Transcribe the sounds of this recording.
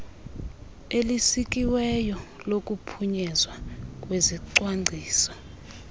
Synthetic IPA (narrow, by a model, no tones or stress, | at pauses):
elisik̬ʼiwɛjɔlokʼupʰuɲɛzwak̬ʼweziǀwaŋŋ͡ǀʱiːsɔ̥